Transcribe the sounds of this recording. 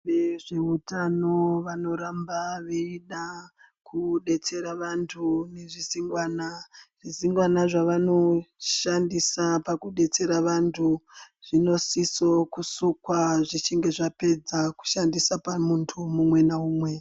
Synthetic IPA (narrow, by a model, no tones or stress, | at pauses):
neʐeutano̞ʋano̞ɾambaʋeiɗa | kʰuɗe̞t͡se̞ɾaʋantʰune̞ʐiziŋɡwaːnaʐ̥iziŋɡwanaʐaʋano̞ʃandisapakuɗe̞t͡se̞ɾaʋantʰu | ʐ̥ino̞siso̞kusukwaʐit͡ʃiŋɡe̞ʐape̞d͡zaku̥ʃandisapamuntʰumumwe̞nauːmwe̞